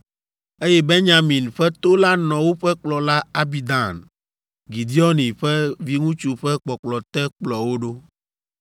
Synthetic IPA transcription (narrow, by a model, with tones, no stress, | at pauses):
e˦jɛ˦be˦ɲã˦mĩ˨nɸɛ˦t̪o˦la˦nɔ̃˨wo˦ɸɛ˦k͡plɔ˨la˦a˦bi˨d̪a˨n | ɡi˨d̪i˦ɔ˦nĩ˨ɸɛ˦vi˦ŋũ˦t͡ʃu˨ɸɛ˦k͡pɔ˨k͡plɔ˨t̪ɛ˦k͡plɔ˨wo˦ɖo˦